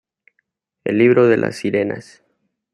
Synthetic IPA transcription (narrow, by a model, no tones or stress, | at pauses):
ḛlːiβɾo̞ðe̞lʔa̰sːiɾe̞na̰s